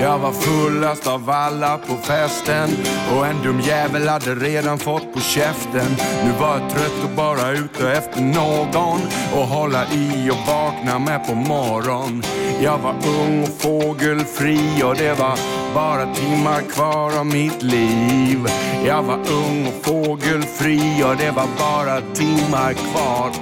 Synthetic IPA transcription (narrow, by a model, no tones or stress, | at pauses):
jɑːɡvaɾfɵlːast̪avalːapʰɔfɛst̪ənɔɛnd̪ɵmjɛːvəlhad̪ːəɾeːd̪anfɔt̪ːpʰɔɕɛft̪ənːʉ̟ːvaɾjat̪ʰɾœt̪ːɔbɑːɾaʉ̟ːt̪əɛft̪əɳoːɡɔnɔɦɔlːaʔiɔvɑːknamɛpʰɔmɔɾɔn | jɑːɡvaɾɵŋːɔfoːɡəlfɾiɔd̪ɛvabɑːɾat̪ʰɪmːaɾkʰvɑːɾavmɪt̪liːvjɑːɡvaɾɵŋːɔfoːɡəlfɾiːɔd̪ɛvabɑːɾat̪ʰɪmːaɾkʰvɑːɾ